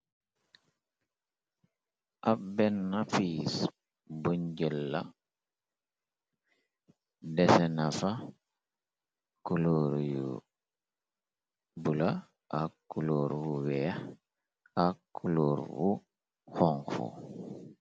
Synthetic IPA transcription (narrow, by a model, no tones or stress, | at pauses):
ʔabɛnːafiːs | buɲɟɛlːa̰ | dɛsenafa | kuloɾjṵ | bula | akːuloɾwuwɛ | akkːuloːɾwu | xɔŋxṵ